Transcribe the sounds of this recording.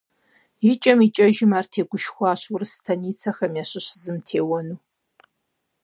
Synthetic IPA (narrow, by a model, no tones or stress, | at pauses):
jit͡ʃʼɐmit͡ʃʼɐʒɪmaːrtʰeːɡʷʊʃxʷɑːɕwʊrstʰɐniːt͡sʰɐxɐmjaɕɪɕzɨmtʰeːwɔnuː